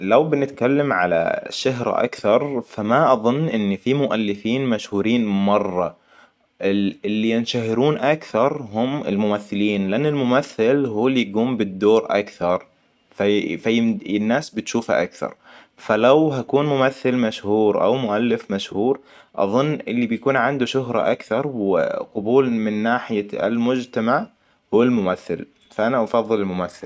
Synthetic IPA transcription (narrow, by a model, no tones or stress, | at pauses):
lawbɪnɪt̪kalːamʕala̰ʃaɦɾʔa̰kθɑɾˤfamaʔɑðˤʊnːʔɪnːifimʊʔalːɪfiːnmaʃhuːɾiːnmɑrˤːɑ | ʔɪɪlːijɪnʃahɪɾuːnʔakθɑɾˤɦʊmɪ̰lmʊmaθːɪliːnlɪʔanːɪlmʊmaθːɪlɦuːlijɡuːmbɪd̪ːoːɾʔa̰kθɑɾˤ | fafaɪnːaːsbɪt̪ʃuːfa̰ʔa̰kθɑ̰ɾˤ | falawɦakuːnmʊmaθːɪlmaʃhuːɾʔa̰wmʊʔalːɪfmaʃhuːɾ | ʔɑ̰ðˤʊnːʔɪlːibjakuːnʕɪnd̪uʃʊɦɾˤɑ̰ʔakθɑɾˤwɪ̰qʊbuːlmɪnːaːħɪjaɪ̰lmʊd͡ʒt̪amaʕ | huːalmʊmaθːɪ̰l | faʔanaʔɑfɑðˤːɨlɪlmʊmaθːɪl